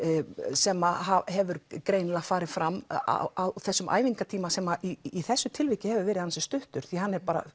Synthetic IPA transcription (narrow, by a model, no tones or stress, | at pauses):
sɛmːaɦahɛvʏɾkɾeːjnɪlaɣfaːɾɪfɾamːa̰awθɛsːʏmʔa̰ːjviŋkat̪ʰiːmasɛmːaʔiːθɛsːʏt̪ʰɪlvɪhcɪhɛvʏɾvɛːɾɪðhansɛst̪ʏht̪ʏɾ̥θiɦanːɛɾpaːɾa̰